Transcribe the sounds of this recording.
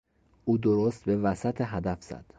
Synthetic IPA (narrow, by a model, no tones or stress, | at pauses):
ʔuːd̪oɾost̪̚be̞væsæt̪ʰeɦæd̪æfz̥æ̰d̪̥